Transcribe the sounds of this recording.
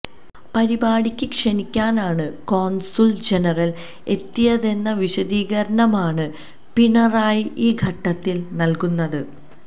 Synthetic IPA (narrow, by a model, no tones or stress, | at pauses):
pɐɾibaːɽikʲːɨkʂɐnikʲːaːnaːɳɨko̞ːnsuld͡ʑenɐrɐl | e̞t̪ːijɐðe̞nːɐʋiɕɐd̪iːɣɐɾɐɳɐmaːɳɨ | piɳɐraːjiʔiːɡʱɐʈːɐt̪ːilnɐlkunːɐðɨ